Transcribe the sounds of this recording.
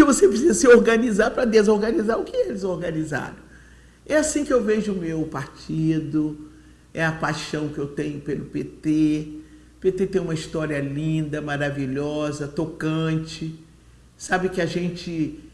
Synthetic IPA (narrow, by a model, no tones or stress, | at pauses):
kɪvosepɾisizɐsɪoɾɡɐ̃nizaɾpɾɐd̪ezoɾɡɐ̃nizaɾʊkɪɛelɪzoɾɡɐ̃niza̰ɾɐ̰̃w̃ | ɛasĩkɪewveʒʊʊmewpaɾt͡ʃid̪ʊ | ɛɐpajʃɐ̃w̃kɪewt̪ẽɲʊpelʊpet̪e | pet̪et̪ẽj̃ũmɐist̪ɔɾiɐlĩd̪ɐmaɾaviʎɔzɐt̪okɐ̃t͡ʃɪ | sabɪkɪaʒẽnt͡ʃɪ